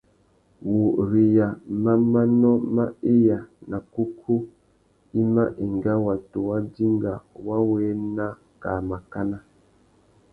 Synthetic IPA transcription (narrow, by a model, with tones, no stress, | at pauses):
wu˨ɾi˨ja˨ma˦ma˦nɔ˦ma˦i˦ja˨na˨ku˦kʰu˦ | i˦ma˦ʔi˨ŋɡa˦wa˨tu˨wa˦di˦ŋɡa˨wa˦wɛː˦na˦ | ka˨ma˨ka˦na˦